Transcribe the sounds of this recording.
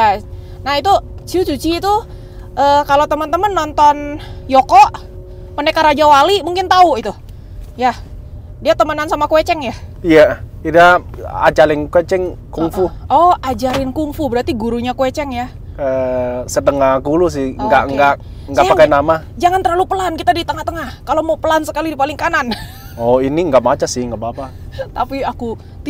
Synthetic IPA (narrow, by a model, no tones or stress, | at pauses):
a | nahit̪ut͡ʃut͡ʃut͡ʃiːt̪u | ʔəkalot̪əmənt̪əmənːɔnt̪ɔnjɔkɔʔ | pənekaɾad͡ʒawalimuŋkɪnt̪auit̪u | ja | diat̪əmənansamakuwet͡ʃɛŋjaijaidaa̰t͡ʃalɪŋkwet͡ʃɛŋkuŋfuɔhad͡ʒaɾɪnkuŋfubəɾat̪iɡuɾuɲakwet͡ʃɛŋja | əsət̪əŋahkulus̬ɪhŋɡaʔŋɡa | ŋɡaʔpakajnamad͡ʒaŋant̪əɾlalupəlankit̪adit̪əŋaht̪əŋahkalomaupəlansəkalidipalɪŋkanan | ɔiniŋɡaʔmat͡ʃasɪhŋɡabapa | t̪apiaku